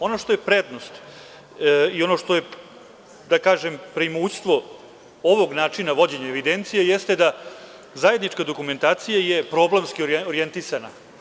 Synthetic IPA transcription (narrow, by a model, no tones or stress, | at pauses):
o̞noʂt̪o̞jepɾed̪no̞st̪ | io̞no̞ʂt̪o̞je | d̪akaːʒempɾeimuːst̪ʋo̞ | oʋo̞ɡnaːt͡ʂinaʋo̞d͡ʑeɲaeʋid̪ent̪sijejest̪ed̪a | zaje̞d̪nit͡ʃkad̪o̞kume̞nt̪aːt̪sijajepɾo̞blemskioɾoɾijent̪isana̰